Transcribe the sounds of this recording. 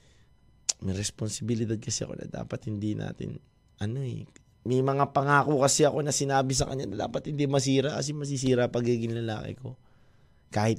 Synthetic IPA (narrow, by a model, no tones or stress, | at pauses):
mɐjɾɛsponsɪbɪlɪd̪ad̪̚kɐsɛɐ̰ko̞̰nɐ̰d̪a̰ːpɐt̪̚hɪnd̪ina̰ːt̪ɪ̰n | ʔɐno̞ɛ̰ | mɐjmɐŋapɐŋaːkokɐsɛɐko̞nɐsɪnaːbɪs̬ɐkɐ̰ɲɲanɐd̪a̰ːpɐt̪̚hɪnd̪imɐs̬iːɾɐkɐs̬ɛmɐs̬isiːɾɐpɐɡiːɡɪnlɐlaːkɛ̰ko̞ | kaːhɪt̪̚